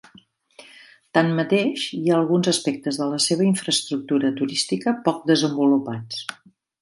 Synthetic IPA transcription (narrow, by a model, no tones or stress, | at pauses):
t̪anmət̪eʃiaəlˠɣunzəspɛk̚t̪əzðələseβ̞əiɱfɾəst̪ɾuk̚t̪uɾət̪uɾist̪ikəpɔk̚d̪əzəmbulupat͡s